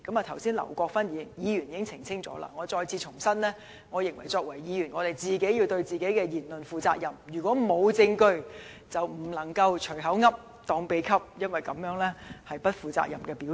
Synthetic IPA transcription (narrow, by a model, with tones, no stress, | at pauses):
kɐ˨˥ma˨t̪ʰɐ˨˩wsiː˥nlɐ̰˨˩wkʷɔː˧k̚faː˥nji˨˧jiː˨˧jyː˨˩niː˨˧kɪ˥ŋt͡sʰɪ˨˩ŋt͡sʰɪ˥ŋt͡sɔ̰ː˨˥la̰˧ŋɔː˨˧t͡sɔː˧jt͡sʰiː˧t͡sʰʊ˨˩ŋsɐ˥nlɛː˥ | ŋɔː˨˧jɪ˨ŋwɐ˨˩jt͡sɔː˧k̚wɐ˨˩jjiː˨˧jyː˨˩nŋɔː˨˧t̪e˨˩jt͡siː˨ke˨˥ji˧wt̪ɵ˧ɥt͡siː˨˩ke˨˥jkɛː˧jiː˨˩nlɵ˨nfuː˨˧t͡sa̰ː˧k̚jɐ˨˩mjyː˨˩kʷwʷɔː˨˥mo˨˧wt͡sɪ˧ŋkɵ˧ɥ | t͡sɐ˨wm̩˨˩lɐ˨˩ŋkɐ˧wt͡ʃʰɵ˨˩ɥɦɐ˨˥wŋɐ˥p̚ | t̪ɔː˧ŋpe˨˧jkʰɐ˥p̚jɐ˥nwɐ˨jkɐ˨˥mjœː˨˥ŋlɛː˥hɐ˨jpɐ˥t̚fuː˨˩t͡sa̰ː˧k̚jɐ˨mkɛː˧piː˨˥